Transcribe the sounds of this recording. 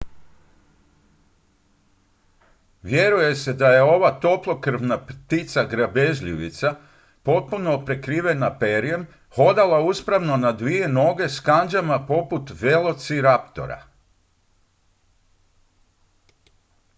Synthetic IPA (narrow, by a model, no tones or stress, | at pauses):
ʋje̞ɾuje̞se̞d̪aje̞o̞ʋat̪o̞plˠo̞kr̩ʋnapt̪it̪saɡɾabeʒʎiʋḭt̪sa | po̞t̪̚puno̞pɾe̞kɾiːʋe̞napeɾijem | ho̞d̪alˠauspɾaʋno̞nad̪ʋije̞no̞ɡe̞skand͡ʒamapo̞put̪ʋe̞lˠo̞t̪siɾapt̪o̞̰ɾa̰